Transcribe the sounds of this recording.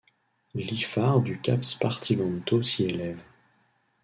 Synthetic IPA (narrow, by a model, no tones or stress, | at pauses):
lifaʁd̪ykʲa̰pspaʁt̪ʰimɑ̃nt̪osielɛv